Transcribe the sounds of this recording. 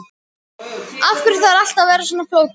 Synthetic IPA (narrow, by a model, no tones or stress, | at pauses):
afkʏɾʏθaðal̥t̪avɛːɾasɔnafloːwt̪